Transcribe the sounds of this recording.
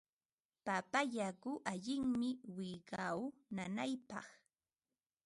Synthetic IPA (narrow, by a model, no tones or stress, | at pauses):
papaʎakʊʔaʎɪŋmɪwɪɢawnanajpɑ̰χ